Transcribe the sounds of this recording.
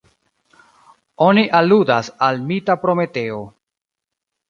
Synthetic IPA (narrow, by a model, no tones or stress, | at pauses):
o̞niʔaludasalmitapɾo̞me̞te̞o